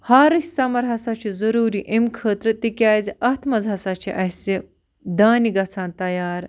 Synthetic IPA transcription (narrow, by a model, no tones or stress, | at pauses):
haːɾɐɕsamɐɾɦasat͡ɕizəɾuːɾiʔemkʰəːt̪ɾət̪ikʲaːzeʔɐt̪ʰmɐd͡zʱasat͡ɕḭʔɐse | d̪aːniɡɐt͡sʰãːnt̪ɐjaːɾ